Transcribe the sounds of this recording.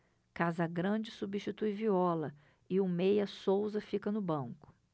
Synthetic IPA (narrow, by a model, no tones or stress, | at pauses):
kazɐɡɾɐ̃d͡ʒɪsubiʃt͡ʃit̪ujviɔlɐ | ɪʊmejɐsowzɐfikɐnʊbɐ̃ŋkʊ̥